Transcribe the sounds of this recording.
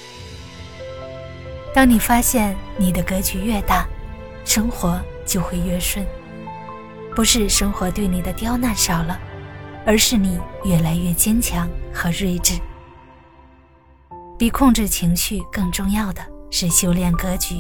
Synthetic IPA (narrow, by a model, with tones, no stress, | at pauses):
t̪ɑ˥ŋni˨˩fa˥ɕjɛ˥˩nni˨˩d̪ə˦kɤ˥t͡ɕy˧˥ɥɛ˥˧t̪a˥˩ | ʂɤ˥ŋxwɔ˧˥t͡ɕjo˥˧ʊxwe˥˧ɪɥɛ˥˧ʂwə˥˩n | pu˧˥ʂɻ̩˥˧ʂɤ˥ŋxwɔ˧˥t̪we˥˩ɪni˨˩d̪ə˦t̪jɑ˥ʊna˥˩nʂɑ˨˩ʊlə˦ə˞˧˥ʂɻ̩˥˩ni˨˩jɥɛ˥˩la˧˥ɪɥɛ˥˩t͡ɕjɛ˥nt͡ɕʰjɑ˧˥ŋxɤ˧˥ɻwe˥˧ɪʈ͡ʂɻ̩˥˩ | pi˨˩kʰʊ˥˧ŋʈ͡ʂɻ̩˥˩t͡ɕʰi˧˥ŋɕy˥˧kɤ˥˧ŋʈ͡ʂʊ˥˧ŋjɑ˥˩ʊd̪ə˩ʂɻ̩˥˩ɕjo˥ʊljɛ˥˩nkɤ˥t͡ɕy˧˥